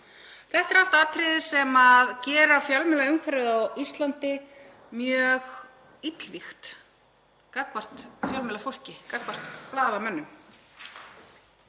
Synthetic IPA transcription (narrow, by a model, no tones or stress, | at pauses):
θɛht̪ɛɾal̥t̪aaːt̪ʰɾɪːðɪsɛmaðcɛːɾafjalmɛlaʏmkʰvɛɾʏðawist̪lant̪ɪ | mjœːɣ | it̪lvixt̪ | kakvar̥t̪fjœlmɛlafowl̥cɪkakvar̥t̪plaːðamœnːʏm